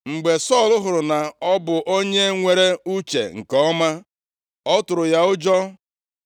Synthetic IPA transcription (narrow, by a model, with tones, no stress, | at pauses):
ŋ͡m̩˨ɡ͡be˨sɔ˦˨lʊ˦ɦʊ˨ɾʊ˨na˨ɔ˦bʊ˨ʔo˦ɲe˦ŋʷe˨ɾe˦u˦t͡ʃḛ˨ŋ̩˨kɔ˦ma˦ | ɔ˦tʊ˨ɾʊ˨ja˦ʊ˦d͡ʒɔ˦